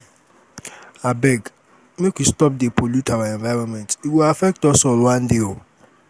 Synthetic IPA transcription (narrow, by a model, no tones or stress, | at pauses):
abɛɡ | mekwistɔp̚depʰolutʰawaɛ̃nvaɹɔ̃nmɛ̃ntiwilafɛk̚tɔsɔlwãndeo